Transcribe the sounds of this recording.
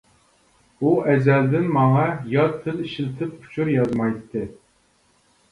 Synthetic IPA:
uʔɛzɛld̪ɪnmɑŋɑjɑt̪ʰːɨliʃilt̪ʰɪp̚ːʰu̥t͡ʃʰuɾjɑzmɑjt̪ʰːɨ

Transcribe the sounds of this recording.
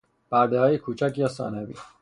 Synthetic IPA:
b̥æɾd̪ehɒːjekʰuːt͡ʃʰæcjɒːsɒ̰ːnævḭː

